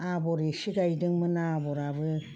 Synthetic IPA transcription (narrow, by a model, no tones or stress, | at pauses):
aboɾesiɡajdɯŋmɯnaboɾaβɯ